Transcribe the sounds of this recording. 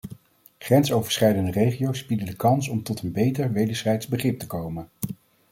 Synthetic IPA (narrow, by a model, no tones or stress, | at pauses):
χrɛnsowvəɹsχɛjdəndərejχijowsbidədəkɑnsɔmtɔtənbejtəɹʋejdəɹsɛjtzbəχrɪp̚təkowmən